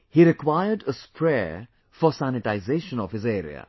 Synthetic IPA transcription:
hiɾɨkʰwaɪədəspʰɹɛ | fəsænɨtaɪzeɪʃə̃nəv̥ɨzɛːɹḭə̰

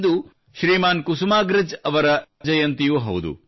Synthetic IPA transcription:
d̪u | ʃɾiːmaːnkusumaːɡɾɪd͡ʒɐʋɐɾɐ | d͡ʒɐjɐnt̪ijuɦɐ̰wd̪ṵ

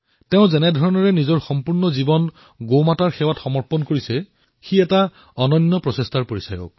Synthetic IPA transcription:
teʊ̃zɛnɛdʱɔɹɔnɔɹɛnizɔɹxɔmpuɹnɔzibɔn | ɡomataɹxɛwatxɔmɔɹpɔnkoɹisɛ | xiɛta | ɔnɔnːɔpɹɔsestaɹpoɹisajɔ̰k̚

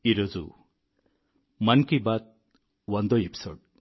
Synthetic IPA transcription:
iɾod͡zṵ | mankibat̪̚ | wɔnd̪ɔepi̥so̰ɖ

